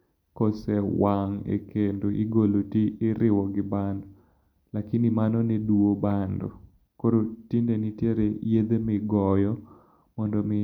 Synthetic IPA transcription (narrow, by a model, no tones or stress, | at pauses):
kosewaŋḛkendoʔḭɡolotiɪɾɪwɔɡɪbandɔ | lakinimanɔneduobandɔ̰ | koɾotindenitjeɾejed̪emɪɡɔjɔ | mɔndɔmɪ